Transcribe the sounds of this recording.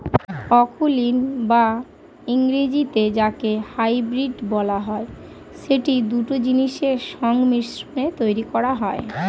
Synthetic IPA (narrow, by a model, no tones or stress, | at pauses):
pɔkulinba | iŋɾid͡ʑit̪ed͡ʑakehajbɾiɖbɔlaɦɔe | ʃeʈid̪uʈod͡ʑiniʃeʃɔŋɡmiʃɾonet̪ojɾikɔɾaɦɔe